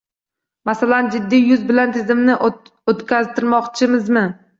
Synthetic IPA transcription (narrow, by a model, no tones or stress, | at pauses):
masaland͡ʒɪd̪ːijʊzbɪlant̪ʰɪzɪmnɪ | ot̪kʲazt̪ʰɪɾmɒqt͡ʃʰɪmɪzmɪ